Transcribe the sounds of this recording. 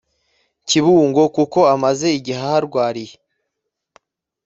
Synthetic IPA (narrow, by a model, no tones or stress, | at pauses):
ciβuːŋɡo̞kuko̞amaze̞iɟiɦahaɾɡwaːɾije